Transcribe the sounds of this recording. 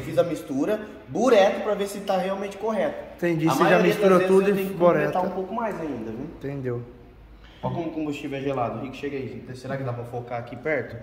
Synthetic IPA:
fizɐmist̪uɾɐ | buɾɛt̪ʊpɾɐveɾsɪt̪aɦeawmẽnt͡ʃɪ̥koɦɛt̪ʊ̥t̪ẽd͡ʒifizamist̪uɾɐt̪ud̪ʊfiboɾɛt̪aɐũpowkʊmajzaĩnd̪ɐviw̃t̪ẽnd̪ew | sɔkõmʊkõbust͡ʃivʊɛʒelad̪ʊɦikʊ̥ʃeɡɐisʊt̪eseɾakɪd̪apɾɐfokaakipɛɾt̪ʊ

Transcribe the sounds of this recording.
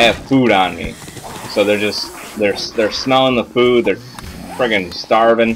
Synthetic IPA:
ɨv̥fuɾ̃nmḭsoʊðə˞d͡ʒʌs | ðə˞sðə˞smɛlˠɪ̃ŋðəfud̪̚ðə˞ | pʰɹ̥ɪɡɨ̃ŋstɑɹvɪ̃ŋ

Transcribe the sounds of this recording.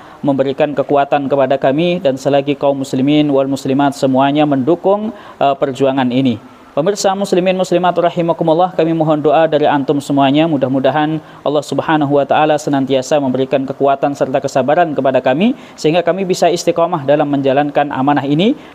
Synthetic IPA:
məmbəɾikankəkuat̪ankəpadakamidansəlaɡikaumːusliminwalmuslimat̪səmuaɲaməndukʊŋ | pərd͡ʒuaŋanini | pəmirsamuslimɪnmuslimat̪rɑhimakumulˠːɑhkamimoɦɔndoʔadaɾiant̪ʊmsəmuaɲamudahmudaɦan | ʔɑlːɑhsubhanaɦuwat̪aʔalasənant̪iasaməmbəɾikankəkuat̪ansərt̪akəsabaɾankəpadakami | səɦiŋɡakamibisaist̪ikɔmaɦdalamːəɲd͡ʒalankanʔa̰manaɦini

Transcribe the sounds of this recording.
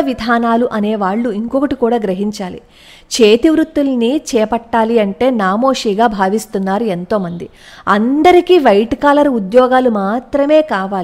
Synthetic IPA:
ɐʋid̪ʱaːnaːluʔɐneːʋaːɭːuiŋkɔkɐʈikuːɽaːɡɾɐɦiɲt͡ʃaːlḭ | t͡ʃeːt̪iʋɾut̪ːulnit͡ʃɛːpɐʈːaːliɐɳʈe̞ːnaːmo̞ːʂiːɡaːbʱaːʋist̪unːaːɾue̞nt̪o̞ːmɐnd̪i | ɐnd̪ɐɾikiːʋɐjʈkaːlɐɾud̪jɔːɡaːlumaːt̪ɾɐme̞ːkaːʋaːli

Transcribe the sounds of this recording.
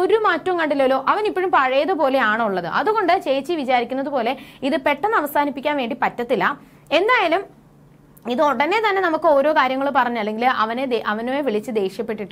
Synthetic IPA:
oɾumaːtːɐmkɐɳɖilːoːlo̞ːʔɐʋɐnipːoɻumpɐɻɐjɐðɨpo̞ːle̞aːɳɨuɭːɐðɨʔɐðuɣo̞ɳɖɨt͡ɕejt͡ɕːiʋit͡ɕaːɾikʲːunːɐðupo̞ːle̞iðɨpe̞ʈːɐnːɐʋɐsaːnipːikʲːaːnʋe̞ːɳɖipɐtːɐt̪ːilːɐ | e̞nd̪aːjaːlum | iðɨo̞ɽɐne̞t̪ɐnːe̞nɐmukːɨo̞ːɾo̞ːkaːɾjɐŋːɐɭupɐrɐɲːaɭːe̞ŋɡilɐʋɐneeʔɐʋɐnoːjeʋiɭit͡ɕːɨd̪e̞ːʂjɐpːe̞ʈːiʈːɨ

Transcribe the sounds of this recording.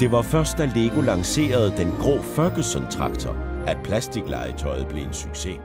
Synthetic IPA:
d̥e̝ʋɑ̈fɶɐsd̥æle̝ɡ̥o̝lɑ̈ŋse̝̰ːɐð̞̩ˠd̥enɡ̥ʁɔ̰ːfɶɐɡ̥əsɒ̽nt͡sʰʁɑ̈ɡ̥t͡sʰɐ | æ̥pʰlæsd̥iɡ̥lɑ̰̈ɪət͡sʰɒ̰̽ɪð̞̩ˠb̥le̝e̝nsyɡ̥se̝

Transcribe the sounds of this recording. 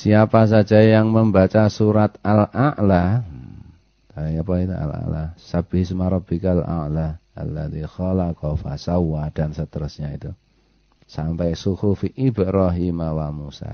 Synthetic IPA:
siapas̬ḁd͡ʒajaŋməmbat͡ʃasuɾat̪alaʔla | aapait̪ua̰la̰ʔlasab̥iɦɪsmaɾɔb̥ikala̰ʔlaʔa̰lːad̪ixɔlakɔfa̰sauad̥ansət̪əɾusɲait̪u | sampɛʔsukufiʔibəɾɔɦimawamusa̰

